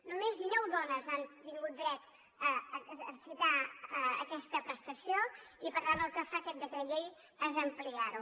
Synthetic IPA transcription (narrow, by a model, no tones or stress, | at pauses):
numezðinɔwðɔnəzant̪iŋɡut̪̚d̪ɾɛt̪ | əəsit̪aəə̰kɛst̪əpɾəst̪əsioipəɾlaðəlˠkəfakɛt̪̚d̪ət̪əʎej | əzəmpliaɾu